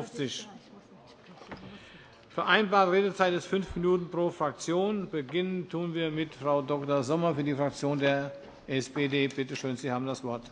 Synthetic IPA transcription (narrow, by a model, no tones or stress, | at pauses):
ft͡sɪç | fɛɐʔaɪnbaːɐtəʁeːdət͡saɪtɛsfʏnfminuːtn̩pʁ̥oːfʁ̥ak̚t͡sjoːnbəɡɪnəntʰuːənviːɐmɪtfʁ̥aʊdɔktɐzɔmɐfyːɐdiːfʁ̥ak̚t͡sjoːndeːɐ | ʔɛsbedeːb̥ɪtəʃøːnziːhaːbm̩dasv̥ɔɐt